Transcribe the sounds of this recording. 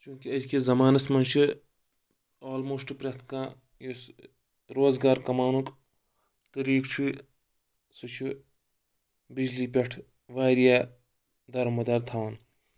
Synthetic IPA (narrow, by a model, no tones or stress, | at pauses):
t͡ʃũːkiɐd̪kizɐmaːnɐsmɐnʃɨ | oːlmoːsʈpɾʲɐt̪ʰkãː | jus | ɾoːzɡaːɾkɐmaːnuk | t̪ɐɾiːkt͡ʃʰu | sut͡ʃʰu | bid͡ʒliːpʲɐʈʰ | ʋaːɾijaː | d̪ɐɾmɐd̪ɐɾt̪ʰaːn